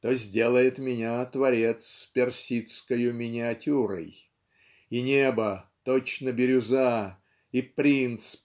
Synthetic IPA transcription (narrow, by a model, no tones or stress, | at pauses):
t̪ozʲdʲe̞lˠəjɪt̪mʲɪnʲat̪vɐɾʲe̞t̪spʲɪrsʲit̪skəjʊmʲɪnʲɪɐtʲuɾə̰j | inʲebət̪ot͡ɕnəbʲɪɾʲʊza | ipɾʲint̪sp